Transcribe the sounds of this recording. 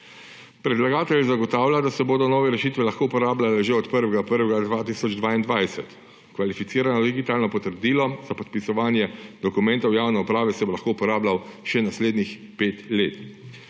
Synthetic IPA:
pɾɛd̪laɡaːt̪ɛljzaɡɔt̪aːwlʲad̪asɛboːd̪ɔnɔːʋɛɾɛʃiːt̪ʋɛlaxkoːupɔɾaːblalɛʒeɔt̪pəɾʋɛɡapəɾʋɛɡad̪ʋaːt̪iːsɔd͡ʒd̪ʋaːind̪ʋajsɛt̪ | kʋalifit̪siːɾanɔd̪iɡit̪aːlnɔpɔt̪əɾd̪iːlɔzapɔt̪̚pisɔʋaːnjɛd̪ɔkumɛ̃nt̪ɐwjaːwnɛupɾaːʋɛsɛbolaxkoupɔɾaːblawʃɛnasleːd̪nix | peːt̪leːt̪

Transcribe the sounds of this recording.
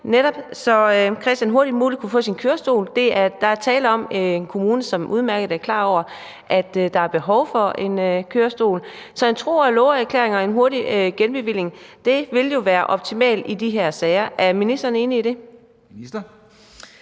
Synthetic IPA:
neɾɒ̽b̥sɒ̽økʰʁɛsd̥jænɦo̝ɐd̥imuːli̥kʰufɔ̰̽ːsinkʰøːɐsd̥o̝̰ːld̥e̝æɐd̥ɑ̈æɐt͡sʰɛːld̩ˠɒ̽meenkʰo̝muːnəsɒ̽mʔuðˠmæɐɡ̥əð̩ˠæɐkʰlɑ̰̈ːɒʊ̰ɐ | ʔæd̥d̥ɑ̈æɐb̥e̝ɦɒ̽ʊfɒ̽e̝nøkʰøːɐsd̥o̝̰ːlsɒ̽ent͡sʰʁo̝̰ːælɔʊɐæɐkʰlḛːɐeŋɒ̽e̝nɦo̝ɐɾiøɡ̥enb̥e̝ʋil̰e̝ŋd̥e̝ʋe̝ljo̝ʋæːɐʔɒ̽b̥̚t͡sʰimɛ̰ːld̥id̥iɦeɐ̰sɛɪɐʔæɐminisd̥ɐːne̝ːniid̥e̝

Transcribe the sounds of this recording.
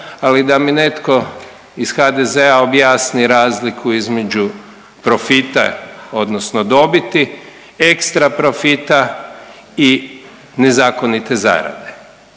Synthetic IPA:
alid̪amine̞t̪ko̞ | iz̥xad̪ezeaobjaːsniɾaːzlikʰuizme̞d͡ʒu | pɾofit̪a̰o̞d̪nosnod̪o̞bit̪i | ekst̪ɾapɾofit̪a | i | nezaːko̞nit̪e̞za̰ːɾa̰d̪e

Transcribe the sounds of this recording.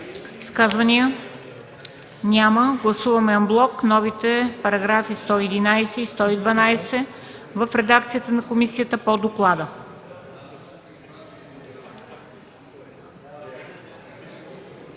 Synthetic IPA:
iskazvɐnijə | nʲaməɡlˠɐsuvɐmɛɐmblˠɔknɔvit̪ɛpɐɾɐɡɾafist̪ɔɛd̪inajsɛist̪ɔid̪vɐnajsɛvəfɾɛd̪akt̪sijət̪ənɐkomisijət̪əpod̪oklˠad̪ə

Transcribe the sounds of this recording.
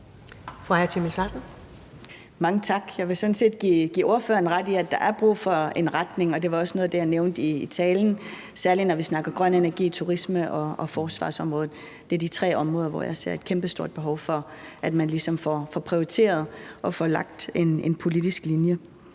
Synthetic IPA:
fɑæɐt͡sʰimislɑsn̩ | mɑ̈ŋət͡sʰɑ̈ɡ̥jɑ̈ɪʋe̝sɔ̽n̩se̝̰ːd̥ɡ̥iɡ̥ḭːo̝ɐfø̰ːɐn̩ʁad̥iæd̥ɑ̈ʔæɐb̥ʁṵːfɒ̽e̝nʁad̥ne̝ŋɒ̽d̥e̝ʋɑ̈ɒ̽snɔ̽ːð̩ˠd̥e̝jɑ̈neʊnd̥iːt͡sʰɛːln̩ | sæɐlinɒʋisnɑ̈ɡ̥ɐmɡ̥ʁɶnenæɐɡ̥ḭːt͡sʰuʁisməʔɒ̽ɒfɒːsʋɑ̰̈ːsɒ̽mʁɔ̽ːð̩ˠ | d̥e̝æɐd̥it͡sʰʁɛ̰ːɒ̽mʁɔːð̞ˠɐʋɒ̰jɑ̈ɪse̝̰ɐ̰e̝d̥kʰemb̥əsd̥o̝ɐ̰d̥̚b̥e̝ɦɒʊfɒ̽æd̥mænlisɒ̽mfɒfɒpʰʁioʁit͡sʰe̝̰ːɐð̞ˠʔɒ̽fɒlɑ̈ɡ̥̚d̥e̝ne̝npʰo̝lid̥isɡ̥linjə

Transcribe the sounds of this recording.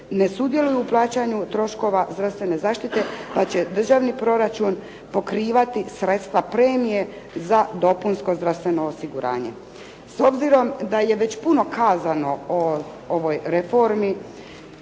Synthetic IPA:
ne̞sud̪je̞lujuːplˠaːt͡ɕaɲut̪ɾo̞ʃko̞ʋazd̪ɾafst̪ʋe̞ne̞zaːʃt̪it̪e̞pat͡ɕe̞d̪r̩ʒaʋnipɾo̞ɾat͡ʃun | po̞kɾiːʋat̪isɾe̞t̪st̪ʋapɾe̞ːmije̞ | zad̪o̞punsko̞zd̪ɾafst̪ʋe̞no̞ːsiɡuɾa̰ːɲḛ | so̞bziɾo̞md̪aje̞ʋe̞t͡ɕpuno̞kʰaːzano̞o | oʋo̞jɾefo̞ɾmi

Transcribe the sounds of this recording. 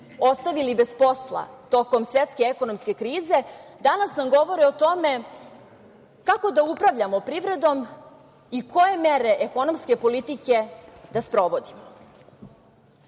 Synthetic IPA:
o̞st̪aʋilibe̞spo̞slˠa̰t̪o̞ko̞msʋet̪ske̞eko̞nomske̞kɾiːze̞d̪anasnamɡo̞ʋo̞ɾiot̪o̞me̞ | kako̞d̪aupɾaʋʎamopɾiʋɾe̞d̪o̞m | iko̞je̞meɾe̞ʔeko̞no̞mskepo̞lit̪ike̞d̪̥aspɾo̞ʋo̞d̪imo

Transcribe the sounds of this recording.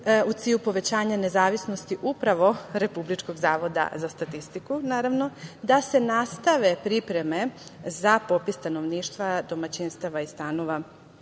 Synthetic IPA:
ut̪iːʎupo̞ʋe̞t͡ɕaːɲane̞zaːʋisno̞st̪iʔupɾaʋo̞ɾe̞publit͡ʃko̞ɡzaːʋo̞d̪a̰zast̪at̪ist̪ikunaːɾaʋno̞d̪ase̞nast̪aʋe̞pɾipɾe̞me̞zapo̞pist̪ano̞ʋniːʃt̪ʋad̪o̞mat͡ɕinst̪aʋaist̪ano̞ʋa

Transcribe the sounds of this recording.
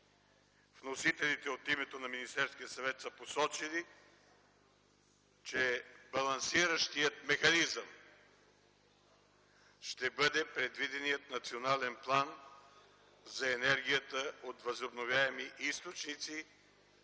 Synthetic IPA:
vnosit̪ɛlit̪ɛot̪imɛt̪onɐminist̪ɛɾskʲijəsɐvɛt̪səposɔt͡ʃili | t͡ʃɛbɐlˠɐnsiɾəʃt̪ijət̪mɛxɐnizəm | ʃt̪ɛbɤd̪ɛpɾɛd̪vid̪ɛnijət̪nɐt̪sionalɛnplˠan | zɐɛnɛɾɡ̟ʲijət̪əot̪vəzobnovʲjaɛmiʔist̪ot͡ʃnit̪si

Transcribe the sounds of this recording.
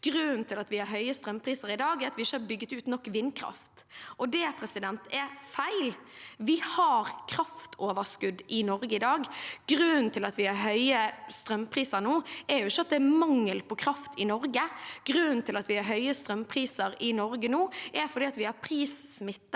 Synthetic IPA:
ɡ̥ɾʉnt̪ʰɪlɑt̪ʋɪhɑɾɦœʏəst̪ɾœmpʰɾiːsəɾɪd̪ɑːɡɛɾɑt̪ʋɪɪʃːəɑɾbʏɡːət̪ʉːt̪nɔkːʋɪnkʰɾɑ̰ft̪ʔɔd̪ɛpʰɾɛsɪd̪ɛnt̪ɛfæɪlʋɪhɑɾkʰɾɑft̪ʰoːʋəskʉd̪ʔɪnɔɾɡəɪd̪ɑːɡɡ̥ɾʉn̩t̪ʰɪlɑt̪ʋɪhɑɾɦœʏəst̪ɾœmpʰɾiːsəɾnuːɛɾjʊɪçːəɑt̪d̪ɛæmɑŋːəlpʰɔkʰɾɑft̪ʰɪnɔɾɡəɡ̥ɾʉnnt̪ʰɪlɑt̪ʋɪhɑɾɦœʏəst̪ɾœmpʰɾiːsəɾɪnɔɾɡənuːʔæɾfɔɾd̪iːɑt̪ʋɪhɑɾpʰɾiːssmɪt̪ːə

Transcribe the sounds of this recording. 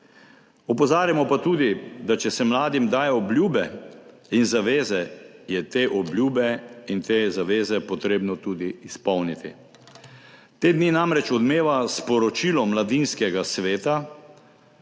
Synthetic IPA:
ɔpɔzaːɾjamɔpat̪uːd̪id̪at͡ʃɛsɛmlaːd̪imd̪aːjɛɔblʲjuːbɛ | inzaʋeːzɛjɛt̪eːʔɔbljuːbɛint̪eːzaʋeːzɛpɔt̪ɾeːbnɔt̪uːd̪iːspɔwnit̪ḭ | t̪eːd̪niːnamɾɛt͡ʃɔd̪meːʋaspɔɾɔt͡ʃiːlɔmlad̪inskɛɡasʋeːt̪a

